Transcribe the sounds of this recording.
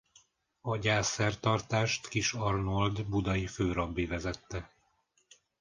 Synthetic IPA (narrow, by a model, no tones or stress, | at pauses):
ɒɟaːsɛrt̪ɒrt̪aːʃt̪kiʃɒrnold̪bud̪ɒjiføːɾɒbːivɛzɛt̪ːɛ